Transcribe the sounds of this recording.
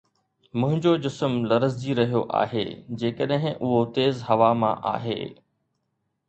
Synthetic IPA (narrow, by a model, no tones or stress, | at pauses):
mʊ̃ɦɪ̃ɲd͡ʑod͡ʑɪsəmlɐɾəzd͡ʑiɾɐɦijoʔa̰ːɦḛːd͡ʑeːkəɗɦɪ̃ʔʊɦot̪eːzɦɐʋamã̰ʔa̰ːɦḛː